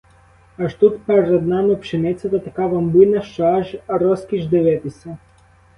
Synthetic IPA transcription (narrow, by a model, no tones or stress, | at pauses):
ɐʃt̪ut̪pɛɾɛd̪namɪpʃɪnɪt̪sʲɐt̪ɐt̪ɐkaʋambunɐʃt͡ʃɔaʒɾɔskʲiʒd̪ɛʋɛt̪ɪsʲɛ